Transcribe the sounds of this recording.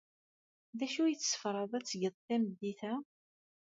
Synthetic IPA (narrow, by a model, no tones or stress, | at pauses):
ðæʃujət͡sːsə̥fɾˤɑðˤæt͡sːəʝəðˤθæməd̪ːiθæ